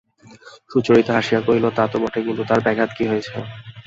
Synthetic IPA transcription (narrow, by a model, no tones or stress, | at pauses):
ʃut͡ɕoɾit̪aɦaʃijakoɦilot̪at̪obɔʈʰekint̪ut̪aɾbɛɡʱat̪kiɦojet͡ɕʰe